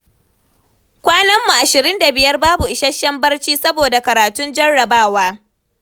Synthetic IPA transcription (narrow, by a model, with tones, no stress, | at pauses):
kʷaː˦nɐ˦mːu˨ʔa˨ʃɪ˨ɾɪ˦nda˨bɪ˨jɐ˦rbaː˦bu˨ʔɪ˨ʃɐ˦ʃːɐ˦mbɐ˦rt͡ʃiː˦sɐ˦boː˨da˨kɐ˨ɾaː˨tʊ˦nd͡ʒɐ˦rːɐ˨baː˦waː˦